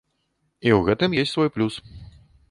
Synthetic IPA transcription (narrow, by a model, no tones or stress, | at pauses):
iwɣɛt̪ɨmjesʲsvɔjplʲus